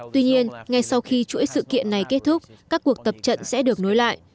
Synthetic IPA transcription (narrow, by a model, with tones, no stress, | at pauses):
t̪wi˧ɲi˧ənŋa˧jsa˧wxi˧t͡ɕṵ˧˥əjsɨ̰˧˨kḭ˧˨ənːa˨˩jke˦˥t̚t̪ʰʊ˦˥k͡p̚kaː˦˥kːu˨˩ək̚t̪ə˨˩p̚t͡ɕə̰˧˨nsɛ̰˧˥ɗɨ˨˩ək̚no˨˦jla̰ː˧˨jʔ